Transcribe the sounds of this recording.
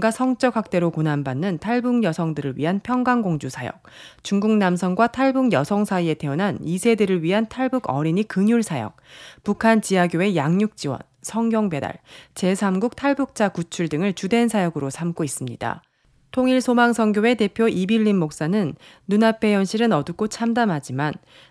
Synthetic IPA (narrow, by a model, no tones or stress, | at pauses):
ɡasʰʌŋt͡ɕ͈ʌɡwak̚t͈e̞ɾokonanbanːɯntʰaɭbuŋjʌsʰʌŋdɯɾɯɭɥḭɦanpʰjʌŋɡaŋɡoŋd͡ʑusʰajʌ̰k̚t͡ɕuŋɡuŋnamsʰʌŋɡwatʰaɭbuŋjʌsʰʌŋsʰaie̞tʰe̞unɦanisʰe̞dɯɾɯɭɥiɦantʰaɭbuɡʌ̰ɾiɲikɯŋjuɭsʰajʌ̰k̚pukʰant͡ɕiaɡjoe̞jaŋɲuk̚t͡ɕ͈iwʌ̰nsʰʌŋɡjʌŋbe̞da̰ɭt͡ɕe̞sʰamɡuk̚tʰaɭbuk̚t͡ɕ͈akut͡ɕʰuɭdɯŋɯɭt͡ɕude̞nsʰajʌɡɯɾosʰamkois͈ɯmɲida̰ | tʰoŋiɭsʰomaŋsʰʌŋɡjoe̞te̞pʰjoʔibiʎːinmok̚s͈anɯnː | unapʰe̞jʌnɕʰiɾɯnʌdɯk͈ot͡ɕʰamdamɦad͡ʑiman